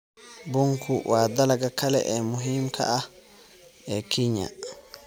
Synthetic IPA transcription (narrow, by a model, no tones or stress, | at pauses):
buŋkʰuwʔaːd̪alaɡakalɛ̰ʔɛmuɦimkʰa̰ʔa | ɛkiɲa̰